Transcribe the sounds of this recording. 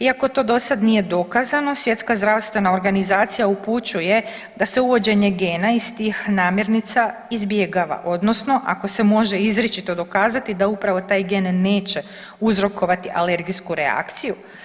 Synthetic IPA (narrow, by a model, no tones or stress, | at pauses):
iakot̪o̞ːd̪o̞sad̪nije̞d̪o̞kazano̞sje̞t̪skazd̪ɾaʋst̪vʋe̞nao̞ɾɡanizaːt̪sijauput͡ɕuje̞ | d̪ase̞uʋo̞d͡ʑe̞ɲe̞ɡeːnaist̪iːxnaːmje̞ɾnit̪saizbje̞ɡaːʋa̰ʔo̞d̪no̞sno̞ʔa̰ko̞se̞mo̞ʒe̞izɾet͡ʃit̪o̞d̪o̞kaːzat̪id̪aupɾaʋo̞t̪aːjɡenːe̞ːt͡ɕe̞ | uzɾo̞ko̞ʋat̪iʔale̞ɾɡiskuɾea̰kt̪siju